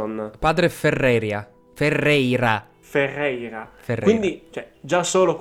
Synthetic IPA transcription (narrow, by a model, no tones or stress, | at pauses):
ɔnːapaːd̪ɾeferːɛːɾja | ferːɛjɾa | ferːɛjɾaferwind̪it͡ʃɛd͡ʒasoːlok